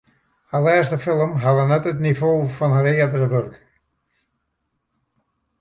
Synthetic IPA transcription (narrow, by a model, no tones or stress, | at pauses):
halɛːstəfɪlˠəmɦalənɛtətnivoːfɔnɦaɾɪːədərəʋørk